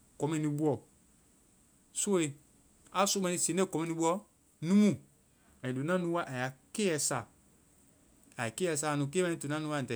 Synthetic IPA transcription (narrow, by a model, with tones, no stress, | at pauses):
kɔ˨mɛ̃˧nĩ˧bu˦ɔ˨ | so˦e˨ | a˨˦so˦mã˧˦ĩ˧sẽ˨˦e˦˨kɔ˨mɛ̃˦nĩ˧ɓu˦ɔ˧ | nũ˦mũ˦˨ | a˨i˨du˨nã˦nũ˦wa˦ʔa˨ja˨ke˦ɛ˧sa˨ | a˨i˨ke˦ɛ˧˨s̬a˦˨nũ˨k̬e˦ɛ̃˧nĩ˦tu˨nã˦nũ˧wa˦˨tɛ˨